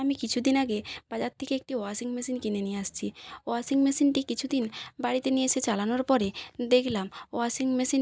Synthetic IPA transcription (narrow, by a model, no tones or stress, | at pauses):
amikit͡ɕʰud̪inaɡebad͡ʑat̪ʰːekeek̚ʈioasiŋmesinkinenijeaʃt͡ɕʰioasiŋmesinʈikit͡ɕʰud̪inbaɽit̪enijeʃʰet͡ɕalanoɾpɔɾed̪ekʰlamoasiŋmesin